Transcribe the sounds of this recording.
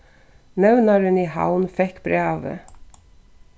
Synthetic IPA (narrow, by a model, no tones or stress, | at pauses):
nɛwnaɾɪniha̰wnfɛhkːbɾaːvɪ̰